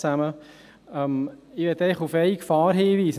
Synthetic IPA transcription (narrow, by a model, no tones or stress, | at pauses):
t͡sæmə | ɛmɪʋɛt̪ːɛɪχufɛɪkfɑːɾɦiːʋiːsə